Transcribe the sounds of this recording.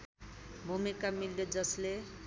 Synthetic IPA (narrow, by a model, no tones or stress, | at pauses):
bʱumikamiljod͡zʌsle